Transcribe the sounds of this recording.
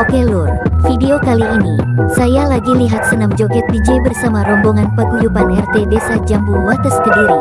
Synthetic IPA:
okelurfideokaliːnisajalaɡiliɦat̪̚sənamd͡ʒɔkɛt̪̚did͡ʒɛbərsamaɾɔmbɔŋanpəɡujupanɛrt̪edesad͡ʒambuwat̪əskədiɾi

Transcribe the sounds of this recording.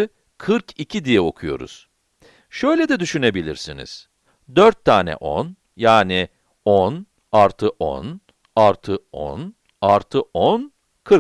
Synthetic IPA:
kʰɯɾkʰicʰid̪ijɛo̞kʰujo̞̰ɾṵz̥ | ʃø̞jlʲɛd̪ɛd̪yʃyne̞bilʲiɾsinḭz̥ | d̪øɾt̪ʰːaːnɛ̰ʔo̰n | jaːni | on | aɾt̪ʰɯʔo̰n | aɾt̪ʰɯo̰n | aɾt̪ʰɯʔon | kʰɯɾ

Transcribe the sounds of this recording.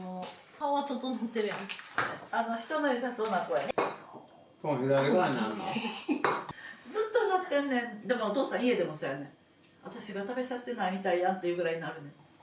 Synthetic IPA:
nohaoβat̪ot̪onot̪ːeɾɯjaneano̞çi̥t̪onaɾʲisasoːnakoːjane | t̪õhed̪aɾeaɲa | d͡zɨt̪ːomakẽnːẽd̪e̞moot̪o̞ːsãɰ̃ie̞d̪e̞mo̞sojanẽ | at̪aɕiɡat̪abe̞sase̥t̪enaimʲit̪aiãnt̪ːejɯ̟ːɡɯɾaiɲinaɾɯ̟ne

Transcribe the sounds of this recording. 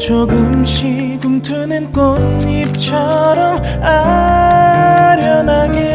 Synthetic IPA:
t͡ɕoɡɯmɕi | ɡumtʰɯnɯnkonip̚t͡ɕʰʌɾʌm | a | ɾjʌnaɡe

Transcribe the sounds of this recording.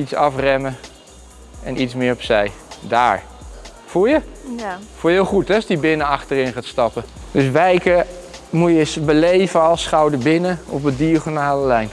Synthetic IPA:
itsɑfrɛmə | ɛnʔitsmɪːɹɔpsɛjda̰ːɹ | fujə | fujəɪlˠχutɛsdibɪnəɑχtəɾɪnχaːtstɑpəd̥øsʋɛjkəmujəsbəlejvəɑlˠsχɑwdəɹbɪnəɔpədiəχonaːləlɛjn

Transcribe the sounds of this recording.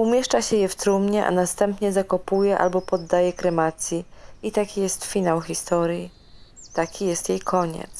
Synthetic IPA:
umʲjɛʂt͡ʂaɕɛjɛft̪ɾumɲɛʔa̰nast̪ɛmpɲɛzakɔpujɛʔa̰lbɔpɔd̪ːajɛkɾɛmat̪sʲjiit̪akʲijɛst̪fʲinawxʲist̪ɔɾʲji | t̪akʲijɛst̪jejkʰɔɲɛ̰t̪s

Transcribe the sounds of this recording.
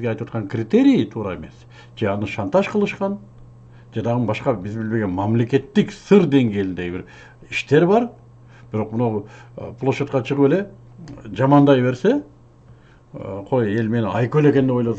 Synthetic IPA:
ɡeɑjt̪wɑt̪̚qɑŋkrʲit̪e̞ɾʲijət̪ʰuːɾɑe̞me̞s | d͡ʒe̞ɑnɯʃɑnt̪ɑʃqʰəlˠɯʃqɑn | d͡ʒed̪ɑʁənbɑʃqɑbɪzbɪlbe̞ɡe̞nmɑmle̞kʲe̞t̪ːɪksɨɾd̪e̞ŋɡʲe̞jlɪnd̪eɡbɪɾ | iʃt̪e̞ɾbɑɾ | b̥ɪɾo̞qmʊnɑwpʰlˠoʃet̪̚qɑt͡ʃʰəʁəwe̞le | d͡ʒɑmɑnd̪ɑjβe̞ɾse̞ | qʰo̞je̞lme̞nɑjkøle̞kʲe̞neo̞jlˠɑd̪

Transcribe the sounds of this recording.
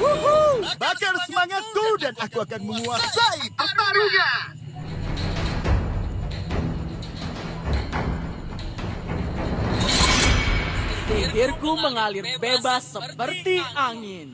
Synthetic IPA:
wuɦbakarsəmaŋat̪̚kudanakuakanməŋuasait̪ərt̪aɾuɲa | tiɦɪrkuməŋalɪrbebasːəpərt̪iʔaŋɪn

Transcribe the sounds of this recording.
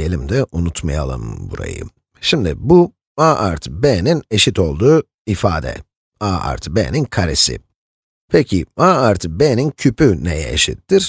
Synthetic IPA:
elʲimd̪ɛʔunut̪maja̰lˠɯ̰mbuɾa̰jɯ̰ | ʃimd̪ɪ̰bu | aːʔaɾt̪ʰbɛːnineʃit̪ʰo̞lˠd̪uː | ifaːd̪ɛ̰ | aːa̰ɾt̪ʰbɛ̰ːninkʰaɾesɪ̰ | pʰɛcʰiaːaɾt̪ʰbɛːnincʰypynejɛ̰eʃḭt̪ːiɾ̥

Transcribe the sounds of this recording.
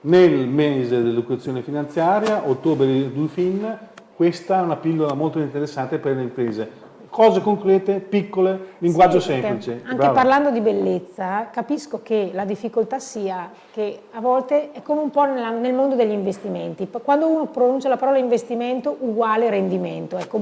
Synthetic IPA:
nelmezed̪elːokuat̪sːjoːnefinant̪sjaːɾjaʔot̪ːoːbɾed̪d̪ufinːkwest̪aɛunapilːolamolt̪oint̪eɾesːant̪eperleimpɾeːze | kʰɔːzekoŋkɾɛːt̪epikːoleliŋɡwad͡ʒːosɛmplit͡ʃeaŋɾeaparland̪od̪ibelːet̪sːakapiskokelad̪ifːikolt̪asiːa | keavɔlt̪eɛkːomeumpɔnelanelmond̪od̪eʎːiɱvest̪iment̪ikwand̪ouːnopɾonunt͡ʃalapaɾɔːlaiɱvest̪iment̪oʔuɡwaːleɾend̪iment̪oɛkːo

